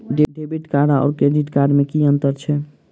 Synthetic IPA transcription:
ɖeɖebiʈkaɾaɔ̰ːɾkɾeɖiʈkaɖmekiənt̪əɾt͡ʃʰɛ

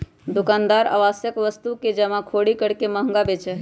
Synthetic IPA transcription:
d̪ukand̪aɾa̰ʋasjəkʋəst̪uked͡ʒəmãkʰoɽikəɽkeməɦəŋɡabet͡ʃəɦ

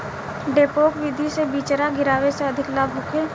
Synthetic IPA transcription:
ɖeːpoːkʋɪd̪ʱisebiːt͡ʃɾaɡɪɾaːʋeseɐd̪ʱɪklaːbʱʊkʰeː

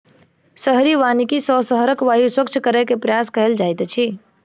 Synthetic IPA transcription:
səɦɾiʋanikisɔsəɦəɾəkʋajuswəkt͡ʃʰkəɾɛkepɾəjaskəɦeld͡ʒajt̪t͡ʃʰi

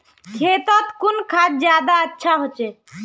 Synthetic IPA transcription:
t͡ʃʰet̪ət̪kunkʰad͡ʒd͡ʒjad̪aətːʃʰaɦot͡ʃɛ

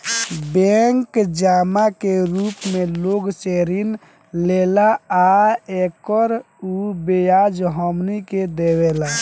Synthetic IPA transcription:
bɛŋkd͡ʒamakeɾupmeloɡseɾin | lelaaekəɾ | ubejad͡ʒɦəmniked̪ewela

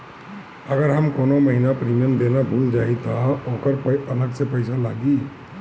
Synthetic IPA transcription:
əɡəɾɦamkonoməɦinapɾimijəmd̪enabʱund͡ʒajt̪ɔokəɾpənəksepəjsala̰ɡi

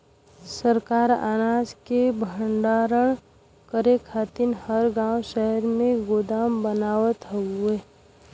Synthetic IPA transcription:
səɾkaːɾa̰ːnaːskebʱəɳɖaːɾəɽ̃ | kəɾekʰaːt̪ɪnhəɾɡãːwʃɛɦəɾmẽɡoːd̪aːmbənaːwət̪ɦueː

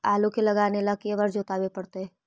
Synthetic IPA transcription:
aːlokelɐɡaːnelakieʋəɾd͡ʒʱoːt̪abepɐɽt̪eɦɛː

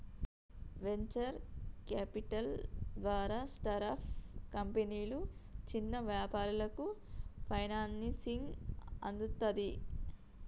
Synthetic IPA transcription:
ʋe̞ɲt͡ʃɐɾkaːpiʈɐld̪ʋaːɾaːsʈɐɾaːpʰkɐmpeniːlut͡ʃinːɐʋjaːpaːɾulɐkupʰɐjnaːnsiŋɐ̰nd̪ut̪ːɐd̪i

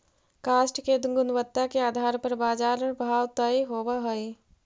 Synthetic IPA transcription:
kaːsʈked̪ɡʊnʋət̪ːakeaːd̪ʱaːɾpɐɾbaːd͡ʒaːɾəɽbʱaːwt̪aiɦoːwaɦoi

